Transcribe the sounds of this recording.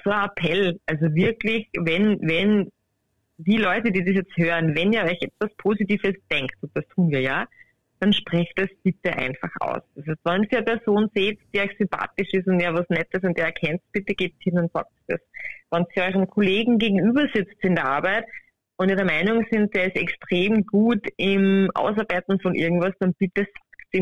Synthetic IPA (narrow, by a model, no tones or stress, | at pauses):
t͡suoːɐapʰɛlʔalzovɪɐklɪçvɛnvɛn | d̥iːlɔʏtədiːdis̬jɛt͡sthøːʁənvɛniːɐɔʏçɛtv̥aspʰoːzitiːvəsd̥ɛŋktʊnt̚d̥astʰuːnviːɐjaː | d̥anʃpʁ̥ɛçtd̥asb̥ɪtəʔa̰ɪnfaχʔa̰ʊsd̥ashɛstvaniɐpɛɐzoːnzeːtd̥iːɔʏçsʏmpʰa̰ːtɪʃɪstʊntaːvasnɛtəs̬ʊntdeːɐɛɐkʰɛnttb̥ɪtəɡ̥eːp̚thɪnʊntsa̰ːk̚td̥asvansçʔɔʏʁənkʰoleːɡŋ̩ɡeːɡŋ̩yːbɐzɪt͡stɪndɛɐʔaɐbæɪt | ʔʊntiːɐdɛɐmaɪnʊŋzɪnt̚d̥eːɐɪstɛkstʁ̥eːmɡuːtɪmʔa̰ʊsɐɐbæɪtn̩fɔnʔɪ̰ɐɡŋ̩tvasd̥anb̥ɪtəsḁkti